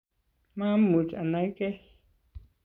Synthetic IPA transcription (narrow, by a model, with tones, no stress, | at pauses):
mã˦m̩˦mu˨t͡ʃa̰˨nã˨˦i˦kɛ˦